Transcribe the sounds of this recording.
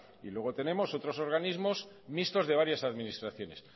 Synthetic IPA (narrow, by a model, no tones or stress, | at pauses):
ilwe̞ɣ̞o̞t̪e̞ne̞mo̞so̞t̪ɾo̞so̞ɾɣ̞anizmo̞z | mist̪o̞zðe̞βaɾjasaðminist̪ɾaθjo̞ne̞̰s